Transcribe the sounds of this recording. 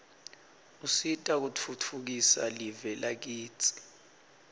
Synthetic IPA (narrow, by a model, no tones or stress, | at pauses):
usitʼak̬ut͡fʰutʰuk̬isa̰livɛlʔak̬iːt͡sʰʼi̥